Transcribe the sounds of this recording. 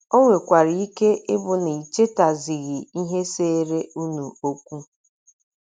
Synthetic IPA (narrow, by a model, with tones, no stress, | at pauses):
o˦ŋʷe˨kʷa˨ɾi˨i˦ke˦ɪ˦bʊ˨ni˨i˨t͡ʃe˦ta˨zi˨ɣi˨i˦ɦe˦se˦ɾe˦u˦nu˨o˦kʷu˦